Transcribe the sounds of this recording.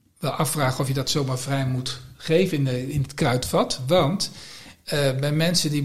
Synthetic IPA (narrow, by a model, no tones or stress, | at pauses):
ʋɛlˠɑfraːχənɔfjədɑtsowmaːɹvrɛjmutχejvənnəɪnətkrœɥtfɑtʋɑnt | bɛjmɛnsədi